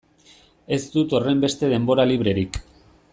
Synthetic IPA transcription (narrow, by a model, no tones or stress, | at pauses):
e̞zd̪ut̪o̞re̞mbe̞st̪e̞ðe̞mbo̞ɾaliβ̞ɾe̞ɾik